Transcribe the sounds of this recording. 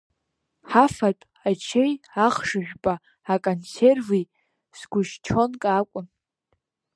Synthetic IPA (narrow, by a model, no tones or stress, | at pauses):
ħafatʼ | at͡ʃʰejaχʂɨʒᶣbʼaː | kʼonservi | z̥ɡʷʊʃt͡ʃʰo̞nkʼakʷʼʊn